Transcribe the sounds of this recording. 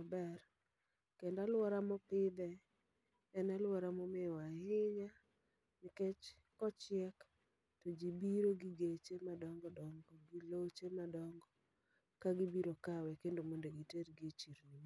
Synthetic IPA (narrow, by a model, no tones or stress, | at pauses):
abɛr | kɛndalwɔɾamɔpɪd̪ɛː | nalwɔɾamɔmɪwahɪɲa | nɪkɛt͡ʃ | kɔt͡ʃɪɛk | tɔd͡ʒibiɾoɡiɡet͡ʃemadɔŋɡɔdɔŋɡɔɡilot͡ʃemadɔŋɡɔ | kaɡibiɾokawɛkendomɔndeɡiteɾɡet͡ʃiɾni